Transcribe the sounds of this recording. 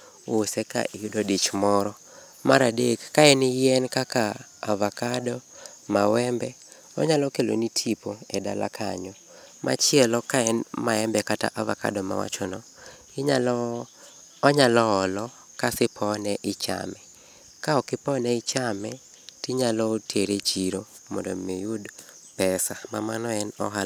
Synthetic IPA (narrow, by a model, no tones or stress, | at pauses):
osɛka̰ʔidodit͡ʃmɔɾɔ | maɾadekːaɛnɪjɛnkakaːvakadɔ | mawɛmbɛ | ɔ̰ɲalɔkelo̰nitʰipoɛda̰la̰kʰa̰ɲɔ | mʔa̰t͡ʃɪɛlɔkaɛnmaɛmbɛkata̰ʔava̰ka̰dɔma̰wa̰t͡ʃɔnɔ | ɪɲ | ɲalɔːlɔ | kasɪpʰɔnɛʔɪt͡ʃa̰mɛ | kaɔkɪpɔnɛɪt͡ʃamɛ | tiɲalɔtʰeɾet͡ʃiɾo | mɔndɔ̰mijud | pɛsamamanɔɛnɔɦa